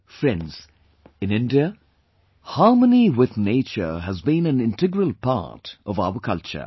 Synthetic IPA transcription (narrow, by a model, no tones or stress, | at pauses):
fɹɛ̃ndz̥ | ɨ̃nɪ̃ndiə | hɑɹməniwɪðneɪt͡ʃə̰˞ɦəzbĩnɨ̃nɪ̃ntɪɡɹəlˠpʰa̰ɹtʔʌva̰ʊəkʰʌlt͡ʃə̰